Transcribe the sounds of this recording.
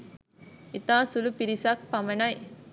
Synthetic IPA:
it̪ãːsulupiɾisak̚pɐmɐnaj

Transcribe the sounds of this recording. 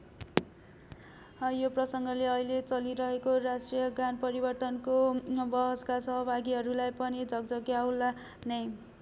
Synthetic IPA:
joprʌsʌŋɡʌleʌɦilet͡sʌliɾʌɦekorasʈrijʌɡanpʌɾibʌrt̪ʌnkobʌɦʌskasʌɦʌbʱaɡiɦʌɾulajpʌnid͡zʌɡd͡zʌɡjawla | nʌj

